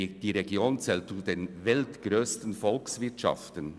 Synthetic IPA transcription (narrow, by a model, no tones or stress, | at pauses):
d̥iːɾeɡjoːnt͡sɛːltt͡sudenvɛltɡ̥ɾøːstən̩fɔlksvɪɐtʃɑ̰ftən